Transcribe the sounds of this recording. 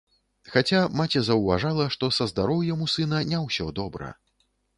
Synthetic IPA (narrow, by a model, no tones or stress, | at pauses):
xat͡sʲamat͡sʲɛzɐwvaʐalˠɐʂt̪ɔsɐzd̪aɾɔwjamusɨnɐnʲɛwsʲɔd̪ɔbɾɐ̰